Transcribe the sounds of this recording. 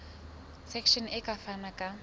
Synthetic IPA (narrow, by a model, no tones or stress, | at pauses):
sɛkʰʃɔnɛkafanakʼa